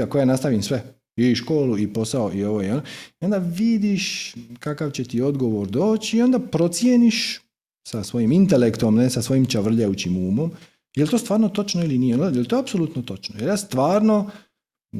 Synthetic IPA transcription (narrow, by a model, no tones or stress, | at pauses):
ako̞janast̪aʋimsʋe | iʃko̞ːluipo̞saoʔio̞ʋoionoio̞nd̪aʋid̪iʃkakaʋt͡ɕe̞t̪io̞d̪ɡo̞ʋo̞ɾd̪o̞ːt͡ɕiːo̞nd̪apɾo̞t̪sjeniʃ | sasʋo̞jimint̪elekt̪omnesasʋo̞jimt͡ʃaʋr̩ʎajut͡ɕimuːmo̞m | je̞lit̪oːst̪ʋaːɾnot̪ot͡ʃnoilinijeonajelit̪oapsolut̪not̪o̞t͡ʃnojeljaːst̪ʋaːɾno̞